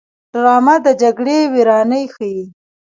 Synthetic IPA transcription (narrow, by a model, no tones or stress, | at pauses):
ɖ̥ɾɑmad̪əd͡ʒaɡɽewiɾɑnəjxəji